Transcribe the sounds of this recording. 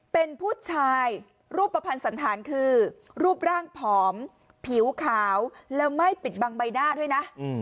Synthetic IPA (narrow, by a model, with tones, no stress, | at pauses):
pe˧npʰuː˥˩t̪̚t͡ɕʰaː˧j | ɾuː˥˩pːa˧pʰa˧nsa˩˦nt̪ʰaː˩˦nkʰɯː˧ | ɾuː˥˩p̚ɾaː˥˩ŋpʰɔː˩˦m | pʰi˩˦wkʰaː˩˦wlɛː˦˥wma˥˩jpi˨˩t̪̚baː˧ŋba˧jnaː˥˩d̪u˥˩jna˦˥ʔ